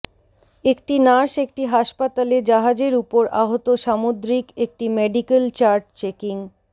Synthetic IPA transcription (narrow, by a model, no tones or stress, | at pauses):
ekʈinaɾʃek̚ʈiɦaʃpat̪aled͡ʑaɦad͡ʑeɾupoɾa̰ɦot̪oʃamod̪ɾikek̚ʈimeɖikelt͡ɕaɾʈt͡ɕekiŋ